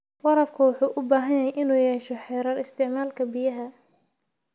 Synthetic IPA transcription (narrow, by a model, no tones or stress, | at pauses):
wɑɾɐfkʰɐwʊħuːʔʊbaːɦɐjjɐɛjʔɪnuːjɛːʃɔħɛːɾɐːrɪst̪ʰɪʕmaːlkʰɐbɪjɐɦɐ